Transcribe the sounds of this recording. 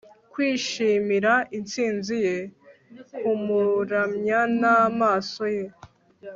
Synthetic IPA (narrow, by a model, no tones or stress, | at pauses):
kwiːʃiːmiɾaʔint͡siːnzije̞ | umuɾamɲanamaːso̞je